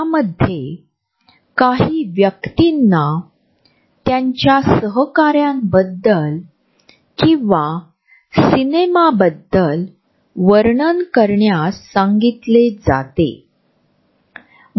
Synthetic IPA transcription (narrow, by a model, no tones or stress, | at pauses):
aməd̪ʱːje | kaɦiːʋjəkt̪inːa | t̪jaɲt͡ɕjasəɦəkaɾjãmbəd̪ːəl | kĩʋa | sinemabəd̪ːəl | ʋəɾɳənkəɾɳjasãŋɡit̪led͡za̰t̪ḛ